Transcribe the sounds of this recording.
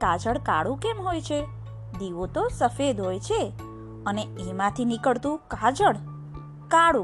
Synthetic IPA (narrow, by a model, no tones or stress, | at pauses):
kad͡ʒəɽka̰ɽũkemɦojt͡ʃʰe | d̪iʋot̪osəfed̪ɦojt͡ʃʰe | əneemãt̪ʰinikəɭt̪ũkad͡ʒəɽ | kaɽũ